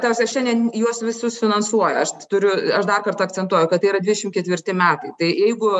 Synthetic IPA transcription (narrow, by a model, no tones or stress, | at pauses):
t̪ɐʋsʲɐʃʲɛnʲd̪ʲiɛnjuɔsʋʲɪsʊsfʲɪnɐnsuɔjɛɐʃt̪ʊɾʲʊɐʃd̪ɐrkɐrt̪ɐɐkt͡sʲɛnt̪uɔjʊkɐt̪t̪ːɐɪiɾɐd̪ʲʋɪdʲɛʃʲɪmtkʲɛt̪ʲʋʲɪrʲt̪ʲɪmʲæːt̪ɐɪt̪ɐɪjɛɪɡʊ